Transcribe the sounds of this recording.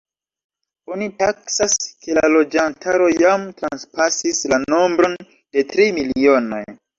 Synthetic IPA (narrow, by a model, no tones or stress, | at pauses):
o̞nitaksaske̞lalo̞d͡ʒantʰaɾo̞jamtɾanspasislano̞mbɾo̞n | d̥e̞tɾimilio̞no̞̰j